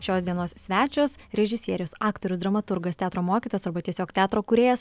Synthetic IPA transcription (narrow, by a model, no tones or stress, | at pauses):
ʃʲoːsd̪ʲiɛnoːssʲʋʲæːt͡ʃʲoːsɾʲɛʒʲɪsʲiɛɾʲɪjoːsɑːkt̪oːɾʲʊsd̪ɾɐmɐt̪ʊɾɡɐst̪ʲæːt̪ɾoːmoːkʲit̪oːjosɐɾbɐt̪ʲiɛsʲoːkt̪ʲæːt̪ɾoːkuɾʲeːjɛs